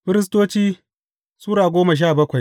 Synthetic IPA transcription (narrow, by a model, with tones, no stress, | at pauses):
ɸɪ˦ɾɪ˦s̬toː˦t͡ʃiː˦ | suː˦ɽaː˨ɡʷoː˦mɐ˨ʃ̬aː˦˨bɐ˦kʷa˨j